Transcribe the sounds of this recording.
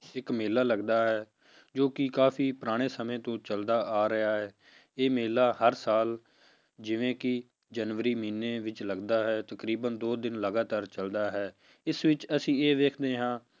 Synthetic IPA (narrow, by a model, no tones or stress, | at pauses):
ɪkmeːlːaːləɡd̪aːɦɛː | d͡ʒoːkɪkaːfʰiːpəɾaːɽ̃eːsəmẽːt̪õːt͡ʃəld̪aːʔaːɾɪaːɦɛː | eːmeːlaːhəɾsaːl | d͡ʒɪʋẽːkɪ | d͡ʒənʋəɾiːmiːnːeːʋɪt͡ʃləɡd̪aːɦɛːt̪əkɾiːbənd̪oːd̪ɪnləɡaːt̪aːɾt͡ʃəld̪aːɦɛː | ɪsʋɪt͡ʃəsĩːeːʋeːkʰd̪eːɦãː